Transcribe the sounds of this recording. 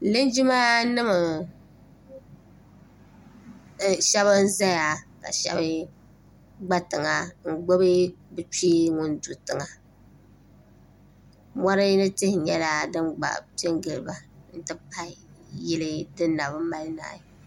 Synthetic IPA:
lɨ˦nd͡ʒi˦ma˦nɨ˦mɨ˨ | ʃɛ˦βɨ˦n̩˦za˦ja˨ka̰˨ʃɛ̰˦bɨ˦ | ɡ͡ba˦tɨ˨ŋa˨ŋ̩˨ɡ͡bo˦bɨ˦bɨ˨t͡ʃiː˦ŋʊ˦ndu˨tɨ˨ŋa˨ | mɔ˦ɾɨ˦nɨ˦tɪ˦hɪ˨ɲɛ˦la˨dɨ˦mɡ͡ba̰˨pe˦ŋɡɨ˨lɨ˨ba˨n̩˨tɨ˦pʰa˦˨jɪ˦lɨ˦dɨ˦nː˦a˨bɨ˦m˦ma˦lɨ˦na̰ː˨ji˨

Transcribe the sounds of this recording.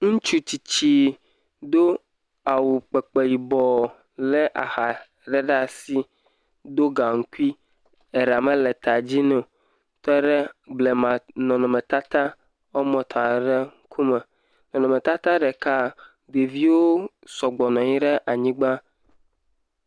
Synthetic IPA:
ŋũ˦t͡ʃu˦t͡ɕi˨t͡ɕi˦ | d̪o˦ | a˨wu˨k͡pɛ˨k͡pe˨ji˨bɔ˨ | lɛ˦ʔa˨ha˨ | ɖɛ˦ɖa˦si˦ | d̪o˦ɡa˨ŋ̩˦ku˦i˦ | ɛ˨ɾa˨mɛ̃˦lɛ˨t̪a˨d͡ʑi˦nɛ̃˨ | t̪ɛ˦ɖɛ˦blɛ˨mã˨nɔ̃˨nɔ̃˨mɛ˨t̪a˦t̪a˦ | ɔ˦mɔ̃˨t̪ʰa˨ɖɛ˦ŋ̩˦kʰu˦mɛ˨ | nɔ̃˨nɔ̃˨me˨t̪a˦t̪a˦ɖɛ˨ka˦ | d̪e˨vi˦wo˦ | sɔ˨ɡ͡bɔ˨nɔ̃˨ɲĩ˦ɖɛ˦ʔa˨ɲĩ˦ɡ͡ba˦

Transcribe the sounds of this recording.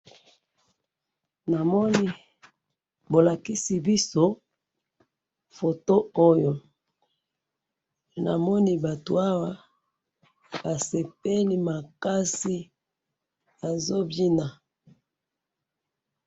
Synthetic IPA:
na˨mɔ˦ni˦ | bo˨la˨ki˦si˨bi˦so˦ | fo˨to˦o˦jo˨ | na̰˨mɔ˦ni˦ba˨to̰˨a˦wa˦ | ba˨se˨p̚e˦li˦ma˨ka˦si˦ | a˨zo˦bi˦na˨

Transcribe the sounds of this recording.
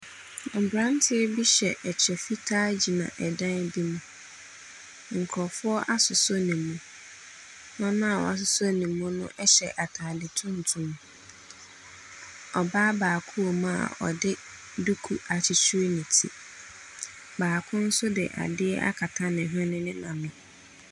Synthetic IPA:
ɔ˨bɾã˦n˦tʰɪ˦ɛ˦bi˦ɕɛ˨ʔɛ˨t͡ɕʰɛ˨fi˦tʰaː˦d͡ʑi˨nã̰˨ʔɛ˨dã˦n˦bi˦mũ˨ | ŋ̩˨kʰɾɔ˨fʊ˦ɔ˦ʔa˦sʊ˨so˦nĩː˨ũ˨ | nã˦nʊ̃˦a˨wɔ̰˨a˨s̬ʊ˨sɔ˦nĩ˨mːũ˦nʊ̰̃˦ʔɛ˦ɕɛ˨ʔa˨tʰaː˨dɪ˨tʰʊ̃˦n̩˨tʰũ˦m̃˨ | ɔ˨baː˦baː˨kʰu˦o˨mã˦˨a̰˨ɔ̰˨dɪ˦ | du˦kʰu˨a˨t͡ɕʰɪ˨t͡ɕʰu˦nĩ˨tʰḭ˨ | baː˨kʰʊ̃˦n̩˦sʊ˦dɪ̰˨ʔa̰˨dɪ˦ɛ˦ʔa̰˦kʰa˨tʰa˦nɪ̃˨ɦʊ̃˦nɪ̃˦nɪ̃˦nã˨mʊ̃˨

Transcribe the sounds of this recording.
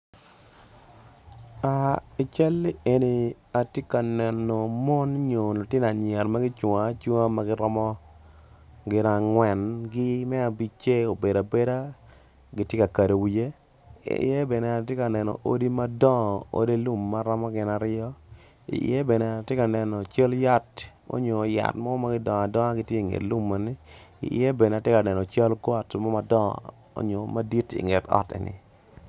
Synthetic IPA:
a˨i˨t͡ʃɛ˦le˨ni˨ | a˨tje˦ka˨nɛ˨nɔ˨mɔ˦nɲo˨no˨tɪ˦na˨ɲɪ˨ɛ˨ɾma˦ɡɪ˦t͡ʃwa˨˦t͡ʃwa˦ma˦ɡɪ˦ɾɔ˦mɔ˦ | ɡɪ˦na˨ŋwɛ˨nɡɪ˦mɛ˦a˨bi˦t͡ʃe˦o˨be˨da˨be˦da˦ | ɡɪ˦tje˦ka˨ka˨de˨wi˨je˦ | ḭ˨je˦be˨ne˨a˨t̬e˦ka˨nɛ˨nɔ̰˨ʔo̰˦di˦ma˦dɔ˦˨o̰˦de˦lu˦mːa˦ɾɔ˦mɔ˦ɡɪ˨na˨ɾjɔ˦ | ḭ˨˦e˦be˨ne˨a˨te˦ka˨nɛ˨nɔ˨t͡ʃa˦lja˦t | o̰˦ɲo˨ja̰˨tmɔ˦ma˦ɡɪ˦dɔ˨ŋ˨a˨dɔ˦ŋa˦ɡɪ˦tje˦˨ŋḛ˨tlu˦mːa˨nɪ˦ḭ˨e˦be˨ne˨a˨tjɪ˦ka˨nɛ˨nɔ˨t͡ʃa˦lɡɔ˦tmɔ˦ma˦dɔ̰˦ | o̰˦ɲo˨ma˦di˦tḭ˨ŋe˨tɔ̰˦tḛ˨nɪ̰˨

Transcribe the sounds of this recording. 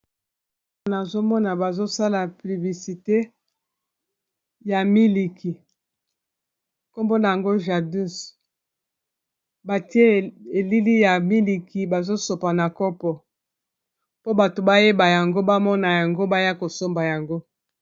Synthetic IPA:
na˨zo˦mɔ˦na˨ba˨zo˦sa˦la˨pli˨vi˨si˨te˦ | ja˨mi˦li˨ki˨ | ko˦mbo˦na˨ja˨ŋɡo˦ʒa˨du˦s | ba˨ti˦e˦e˨li˦li˦ja˨mi˦li˨ki˨ba˨zo˦so˨pa˨na˨kɔ˦pɔ˨ | po˦ba˨to˨ba˦je˦ba˨ja˨ŋɡo˦ba˦mɔ˦na˨ja˨ŋɡo˦ba˦ja˦ko˨so˦mba˨ja˨ŋɡo˦

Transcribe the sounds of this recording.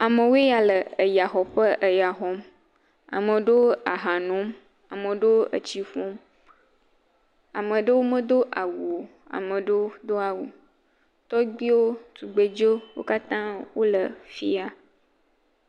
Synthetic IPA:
a˨mə̃˨wo˦e˦ja˨lə˨ə˨ja˨xɔ˨ɸə˦ʔə˨ja˨ɦɔ˦m | a̰˨mə̃˨ɖo˦a˨ɦã˨nõ˨˦m | a˨mə̃˨ɖo˦ə̰˨t͡ɕi˦fɔ̃˦m | a˨mə̃˨ɖə˦wo˦mə̃˦d̪o˦ʔa˨wu˨o˨ | a̰˨mə̃˨ɖə˦d̪o˦a˨wu˨ | t̪ɔ˦ɡ͡bi˦wo˦t̪u˨ɡ͡be˨d͡ʒo˦wo̰˦ka˦t̪ã˦wo˦lə˨fi˦a˨

